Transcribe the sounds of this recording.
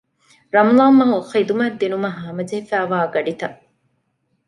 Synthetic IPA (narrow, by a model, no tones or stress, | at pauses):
ɾɐmlˠaːmːɐɦxid̪umɐd̪inumɐɦaːmɐd͡ʒehefæːʋaːɡɐɖit̪ɐ